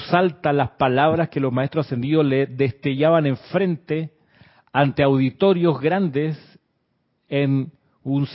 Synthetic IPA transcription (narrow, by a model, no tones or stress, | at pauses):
salt̪alaspalaβ̞ɾaske̞lo̞zmae̞st̪ɾosase̞nd̪ioleðest̪eʝaβane̞ɱfɾe̞nt̪e | ant̪eawðit̪o̞ɾjo̞zɣɾand̪es | en | uns